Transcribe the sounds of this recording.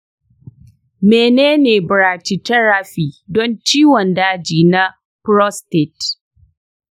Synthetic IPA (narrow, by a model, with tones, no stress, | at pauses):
meː˨neː˦neː˨bʊ˨ɾaː˨t͡ʃi˨tɐ˦ɾa˦˨ɸiː˨dɔ˦nt͡ʃiː˦wɔ˨ndaː˦d͡ʒiː˨na˦ | pɾɔ˦ste˨t